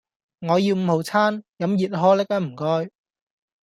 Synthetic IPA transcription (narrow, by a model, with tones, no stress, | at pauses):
ŋɔː˨˧jiː˧wm̩˨˧ho˨˩wt͡sʰaː˥njɐ˨˥mjiː˨t̚ɦɔː˥le˥k̚ɐː˥m̩˨˩kɔː˥j